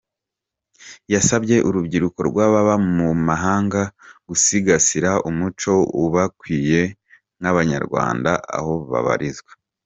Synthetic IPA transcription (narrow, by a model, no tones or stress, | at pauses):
jasabɟe̞ʔuɾubɟiɾuko̞ɾɡwaːβaβamumaɦaːŋɡaɡ̥usiɡasiɾaumut͡ʃo̞uβakwiːje̞ | naβaɲa̰ɾɡwa̰ːndaʔa̰ho̞βa̰βa̰ɾizɡwe